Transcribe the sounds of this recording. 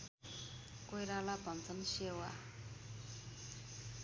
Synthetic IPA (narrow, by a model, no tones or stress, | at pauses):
kojɾalabʌnt͡sʰʌnɕewa